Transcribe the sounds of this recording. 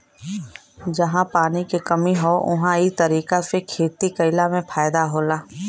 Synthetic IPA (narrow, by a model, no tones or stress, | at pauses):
d͡ʒɐɦãpaːnikekɐmiɦoːʔʊ̰ɦãit̪ɐɾiːkasekʰeːt̪ikɐɪlamẽpʰaːjd̪aɦoːlaː